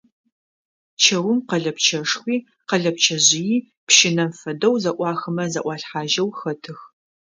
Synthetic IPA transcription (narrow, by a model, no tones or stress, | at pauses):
t͡ʃʰɐwʊmqɐɮɐpt͡ʃʰɐʂxʷiː | qɐɮɐp̚t͡ʃʰɐʑɪjiː | pʃɪnɐmfɐdɐwzɐʔʷɑːxɨmɐzɐʔʷɑːɬħaːʒɐwxɐtʰɨx